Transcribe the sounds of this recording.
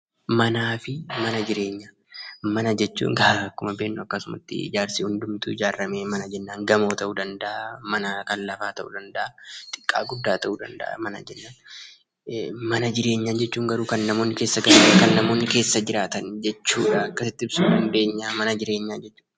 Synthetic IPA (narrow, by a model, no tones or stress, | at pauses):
mɐnaːfɪmɐnɐd͡ʒɪɾe̞ːɲːaː | mɐnɐd͡ʒɛt͡ʃːṵːŋɡakːʊmɐbe̞ːnːʊɐkːɐsʊmɐ̰t̪ːɪ̰ɪ̰d͡ʒaːɾsiːhʊnd̪ʊmt̪uːɪd͡ʒaːrːɐmeːmɐnɐd͡ʒɛnːaːŋɡɐmo̞ːt̪ɐʔuːd̪ɐnd̪ɐʔɐmɐnɐkɐnlɐfaːt̪ɐʔṵːd̪ɐnd̪ɐʔɐt̪ʼɪ̥kʼːa̰ːɡʊd̪ːaːt̪ɐʔuːd̪ɐ̰nd̪ɐ̰ʔɐ̰mɐna̰d͡ʒɛnːaːn | mɐnɐd͡ʒɪɾe̞ːɲːaːd͡ʒɛt͡ʃːuːŋɡɐɾuːkɐnːɐmo̞ːnːɪkeːsːɐɡɐɾkɐnːɐmo̞ːnːɪke̞ːsːɐd͡ʒɪɾaːt̪ɐnd͡ʒɛt͡ʃːuːᶑɐːkːɐsɪt̪ːɪbsudɐnd̪e̞ːɲːaːmɐnɐd͡ʒɪɾe̞ːɲːaːd͡ʒɛt͡ʃːuːᶑ